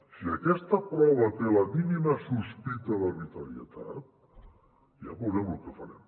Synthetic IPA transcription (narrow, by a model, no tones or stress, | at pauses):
siəkɛst̪əpɾawlət̪eləminiməsuspit̪əðəβit̪əɾiət̪a̰t̪̚ | ja̰puɣɛmlukəfəɾɛ̰m